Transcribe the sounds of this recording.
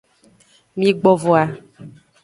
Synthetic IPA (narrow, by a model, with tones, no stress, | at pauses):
mĩ˦ɡ͡bɔ˨vɔ˨a˨